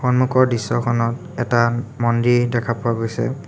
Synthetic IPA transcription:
xɔnmukɔɹdisːɔkʰɔnɔt | ɛtamɔndidɛkʰapʊaɡojsɛ̰

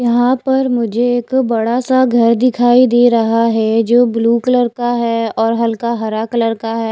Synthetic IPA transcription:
jɐɦãpɐɾmʊd͡ʒʱeeːkbɐɽasaɡʱɐɾd̪ɪkʰaːid̪eːɾɐɦaɦɛd͡ʒoːbluːklɐɾkaɦɛːɔːɾɦɐlkaɦɐɾaːklɐɾkaɦɛː

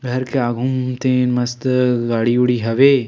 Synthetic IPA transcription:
ɡʱɐɾkeaːɡʱumt̪ẽːnmɐst̪ɡaːɽiuɽiɦɐʋeː

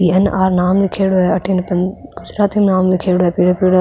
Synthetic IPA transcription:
iːɐnaːɾnaːmlikʰeːɽoɛɐʈʰinpɐnɡʊd͡ʒɾaːt̪imnaːmlikʰeːɽoɛːpiːɽopiːɽ

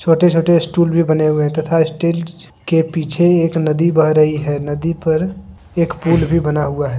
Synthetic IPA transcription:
t͡ʃʰoːʈet͡ʃʰoːʈeɪsʈuːlbʱibɐneɦueɦɛ̃t̪ɐt̪ʰaɪsʈeːl | kepiːt͡ʃʰeeːknəd̪ibəɦɾəɦiɦɛnəd̪ipəɾ | eːkpuːlbʱibənaɦʊaɦɛː

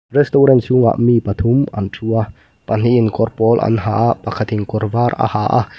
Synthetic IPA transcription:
rɛst̪ɔɾɛnsʊŋa̰ʔmipat̪ʰʊma̰ntʰua | pɐn̥iʔɪnkɔrpɔlʔa̰nɦaːʔapakʰat̪iŋkɔrvaːra̰haʔa̰

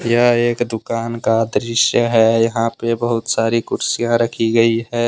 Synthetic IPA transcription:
jəeːkd̪ʊkaːnkad̪ɾɪʃjəɦɛjɐɦãpebəɦʊt̪saːɾikʊɾsijãɾɐkʰiɡɐiɦɛː

